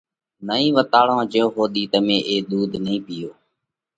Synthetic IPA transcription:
nəĩːʋət̪aːɭõːd͡ʒõːɦoːd̪iːt̪əmẽːʔeːɗ̪uːd̪nəĩːpɪjoː

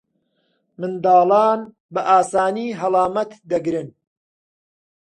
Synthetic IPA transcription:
mɨnd̪ɑːlˠɑːn | bɐʔaːsaːniːɦɐlˠɑːmɐt̪d̪ɐɡɾɨn

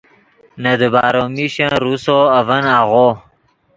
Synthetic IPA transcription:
nɐd̪əbaːɾomiɕãɾusoavənaɣo

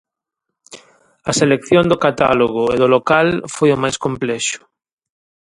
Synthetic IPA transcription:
ɐselekθjõnd̪okat̪a̰loɣ̞oeðolokalfojomajskomplɛʃʊ̥

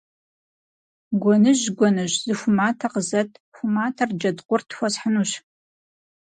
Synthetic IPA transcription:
ɡʷɔnɨʒɡʷɔnɨʑzɨxʷʊmaːtʰɐqəzɐtʰxʷʊmaːtʰɐrd͡ʒɐdqʷʊrtʰxʷɔsħənuːɕ

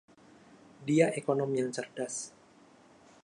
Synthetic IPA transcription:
diaʔekonɔmjaŋt͡ʃərdas

